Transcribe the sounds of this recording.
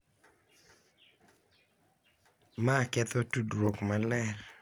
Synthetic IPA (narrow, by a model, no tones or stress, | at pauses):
makɛt̪ɔtudɾokmalɛr